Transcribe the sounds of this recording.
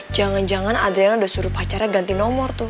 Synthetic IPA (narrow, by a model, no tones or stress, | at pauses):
d͡ʒaŋand͡ʒaŋanad̪ɾianudasuɾupat͡ʃaɾaɡant̪inɔmɔrt̪ʊ